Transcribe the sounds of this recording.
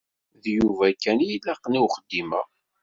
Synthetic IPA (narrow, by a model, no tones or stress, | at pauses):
ðjuvækːænjilːæqːniwχəd̪ːimæ̰